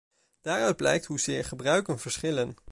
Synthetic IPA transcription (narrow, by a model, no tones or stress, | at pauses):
d̥aːɹœɥd̚blɛ̰jk̚tɦuzɪːɹχəbrœɥkənv̥əɹsχɪlən